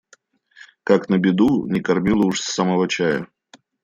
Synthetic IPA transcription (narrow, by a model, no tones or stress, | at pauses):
kaknəbʲɪd̪unʲɪkɐrmʲilˠəʊʂsːamɐvot͡ɕajə̰